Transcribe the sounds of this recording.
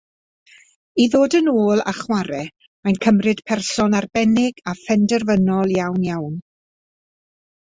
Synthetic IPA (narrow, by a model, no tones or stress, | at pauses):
iðoːdənoːlˠa̰χwaɾɛ | majnkʰəmrɨd̥pʰɛrsɔnarbɛnɪɡafɛndɛrvənɔlˠjawnjawn